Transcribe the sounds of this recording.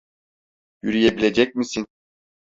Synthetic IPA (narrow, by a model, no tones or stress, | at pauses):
jyɾyjebilʲe̞d͡ʒɛc̚misin